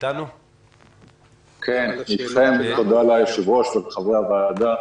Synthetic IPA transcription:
kʰenit̪χemt̪od̪alajeʃivʁoʃvelχaveavaːd̪a

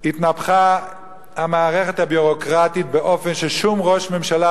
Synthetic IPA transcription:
hit̪napχa | hamaːʁeχet̪habuʁokʁatit̪̚beʔo̞fenʃeʃumʁo̞ʃme̞mʃala

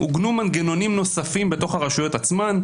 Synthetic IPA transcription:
ṵɡnumanɡeno̞nimno̞safimbe̞t̪o̞χhaʁaʃujo̞t̪at͡sman

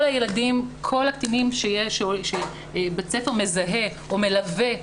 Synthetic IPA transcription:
olajeladimkʰo̞lakt̪inimʃejeʃeʃe | bet͡sefeʁme̞zaɦe̞ | ome̞lave̞

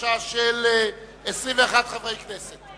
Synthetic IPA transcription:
aʃel | esʁĩmveaχatχavʁejkʰnɛset̪

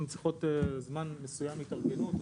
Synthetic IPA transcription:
nut͡sliχo̞t̪ezmanmesujamit̪aʁɡenut̪

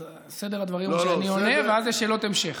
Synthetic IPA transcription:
sed̪eʁad̪vaʁimʃanioneveazjeʃeːlo̞t̪emʃeχ

